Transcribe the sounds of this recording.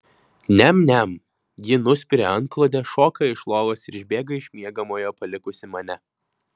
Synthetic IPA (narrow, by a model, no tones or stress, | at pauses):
nʲɛmnʲɛm | jʲɪnʊsʲpʲɪɾʲeɐnt̪̚klˠoːd̪ʲɛʃoːkɐɪʃlˠoːʋoːsɪɾɪʒʲbʲeːɡɐɪʃʲmʲiɛɡɐmoːjoːpɐlʲɪkʊsʲɪmɐnʲɛ